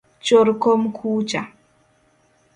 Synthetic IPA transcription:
t͡ʃoɾkɔmkʰuːt͡ʃa

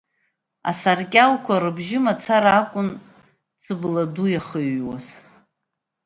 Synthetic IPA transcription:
a̰sarkʲʼalkʷʰaɾɨbʒɪmat͡sʰaɾaːkʷʼʊn | t͡sʰɨbladujaχəɥwaz

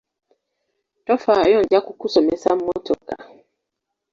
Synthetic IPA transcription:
tɔfajɔnd͡ʒakukusɔmɛsam̩mɔtɔka̰

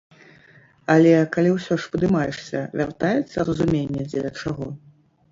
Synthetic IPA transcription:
ɐlʲɛkalʲiwsʲɔʂvɨd̪ɨmajɛ̰ʂsʲɐ̰vʲart̪ajɛt̪sːɐrɐzumʲenʲːɛd͡zʲɛlʲɐt͡ʂaɣɔ

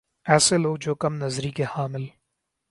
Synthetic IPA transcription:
ɛːseloːɡ̚d͡ʒoːkɐmnɐzɾikehaːmɪl

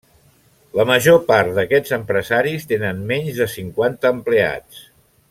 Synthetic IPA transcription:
ləməʒopaɾt̪d̪əkɛd͡zəmpɾəzaɾist̪enənmɛɲzðəsiŋkwant̪əːmplea̰t͡s

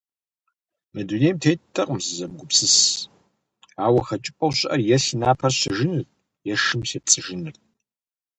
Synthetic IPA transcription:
mɨdunejmtʰejttʰːɐqʼʊmzɨzɐmɡʷʊpsɨs | aːwɐxɐt͡ʃʼɪpʼɐwɕʔɐrjɛsinaːpʰɐrɕɪʒɪnɨr | jɛʂɨmsep̚t͡sʼɨʒɨnɨr

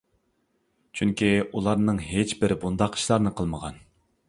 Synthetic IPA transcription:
t͡ʃʰyŋkʲiulˠɑɾnɨŋɦet͡ʃbɪɾbund̪ɑqʰi̥ʃlˠɑɾnɨqʰəlˠməʁɑ̰n

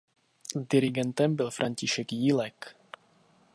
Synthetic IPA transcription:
dɪɾɪɡɛnt̪ɛmbɪlfɾʔaɲcɪʃɛkjiːlɛk

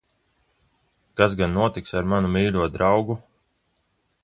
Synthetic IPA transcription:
kazɡanːuɔt̪iksaɾmanumiːluɔd̪ɾawɡu

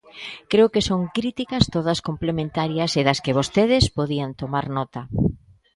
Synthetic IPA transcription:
kɾeʊkɪsoŋkɾit̪ikɐst̪oðɐskomplemẽnt̪aɾjɐseðɐskɪβ̞ost̪eðɪspoðiɐnt̪omaɾnɔt̪ɐ

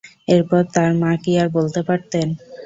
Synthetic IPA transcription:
eɾpɔɾt̪aɾmãkiaɾbolt̪epaɾt̪en

